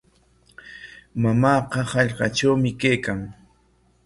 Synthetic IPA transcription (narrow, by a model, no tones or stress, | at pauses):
mamaːqɑhɑʎɢɑʈ͡ʂawmɪkajkaŋ